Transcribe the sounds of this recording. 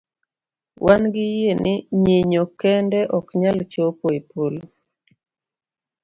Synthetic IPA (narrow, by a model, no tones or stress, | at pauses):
wʔanɡɪjenɪɲeɲokɛndɛʔɔkɲalt͡ʃopoepolo